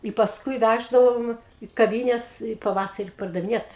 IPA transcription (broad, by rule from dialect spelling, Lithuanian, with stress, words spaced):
ɪ pɐsˈkʊɪ ˈʋʲæʒdɐʋoːm iː kɐˈʋʲiːnʲɛs ɪ pɐˈʋɑːsɐrʲɪ pɐrdɐʋʲɪˈnʲiɛt